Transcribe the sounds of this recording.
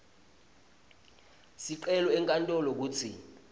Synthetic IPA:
siǃɛlɔɛŋkʼantʼɔlɔk̬uːt͡sʰi

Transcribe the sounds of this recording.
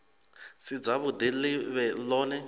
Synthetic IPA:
sid͡zaβʊdilɪβɛlɔːnɛ

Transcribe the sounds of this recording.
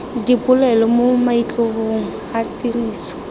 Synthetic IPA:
dipʊlɛlɔmomait͡ɬʼoɣoŋ̩hatiriːsɔ̥

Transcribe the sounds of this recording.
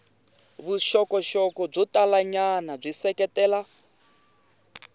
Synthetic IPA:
βuʃɔkɔʃɔkɔb͡ʐɔtalaɲanab͡ʐisɛkɛtɛːla

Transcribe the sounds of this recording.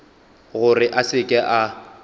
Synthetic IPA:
ɣʊrɪʔasɪkʼɛʔa

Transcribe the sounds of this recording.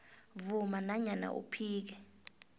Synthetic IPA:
vumanaɲana̰ʔṵpʰiːk̬ɛ

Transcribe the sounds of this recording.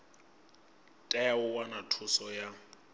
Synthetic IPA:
tʼɛʊwanatʰʊsɔja

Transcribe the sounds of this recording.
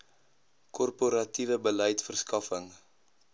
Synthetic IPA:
kɔrpoɾɐtivəbələjtfərskɐfəŋ

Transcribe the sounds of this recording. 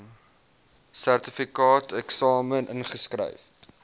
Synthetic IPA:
særtəfikɑːtɛksɑːmənʔənχəskrə̰jf

